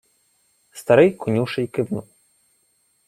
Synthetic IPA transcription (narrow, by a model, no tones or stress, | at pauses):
st̪aɾɪjkunʲiwʂɨjkɨbnu